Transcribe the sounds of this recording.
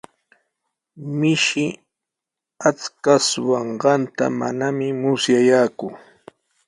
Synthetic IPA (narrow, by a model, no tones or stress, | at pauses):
mɪʃɪ | at͡skaswɑɴɢɑnt̪a̰ma̰namɪmʊsjajaːkʊ